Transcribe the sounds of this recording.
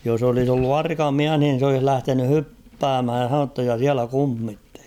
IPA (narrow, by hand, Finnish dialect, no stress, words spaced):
jos olis olːu ɑrkɑ miæh nin̞ s olih læhteny hypːæːmhæj jɑ h̞ɑnonu tːɑ jɑ siælæ kumːitːeli